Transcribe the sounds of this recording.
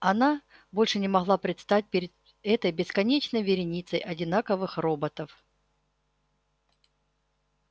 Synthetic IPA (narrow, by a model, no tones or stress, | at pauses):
ɐna | bo̞lʲʂɨnʲɪmɐɣlˠapɾʲɪt̪st̪at̚ʲpʲɪɾʲɪd̪ | ɛt̪əjbʲɪskɐnʲet͡ɕnəjvʲɪɾʲɪnʲit̪səjʔɐdʲɪnakəvɨxro̞bət̪əf